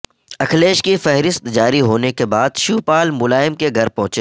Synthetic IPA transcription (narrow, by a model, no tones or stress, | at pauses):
ɐkʰleːʃkifɛɦɾɪst̪d͡ʒaːɾiɦoːnekebaːd̪ʃuːpaːlmʊlaːɪmkeɡʱɐɾpɐ̃ɦʊ̃t͡ʃeː